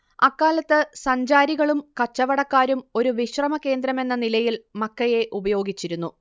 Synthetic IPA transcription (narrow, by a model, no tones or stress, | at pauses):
ɐkːaːlɐt̪ːɨsɐɲd͡ʑaːɾiɣɐɭumkɐt͡ɕːɐʋɐɽɐkːaːɾumo̞ɾuʋiɕrɐmɐke̞ːnd̪ɾɐme̞nːɐnilɐjilmɐkːɐje̞ʔubɐjo̞ːɡit͡ɕːiɾunːu